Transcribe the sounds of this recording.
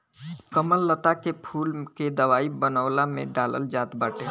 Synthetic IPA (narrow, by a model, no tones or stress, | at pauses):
kəməlːət̪akepʰuːlked̪əʋaːibənəːlamḛ̃ɖaːlə̰ld͡ʒaːt̪baːʈeː